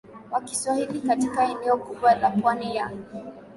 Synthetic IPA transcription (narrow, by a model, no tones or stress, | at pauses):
wakiswahilikatikaɛnɛɔkuɓwalapwanijaŋi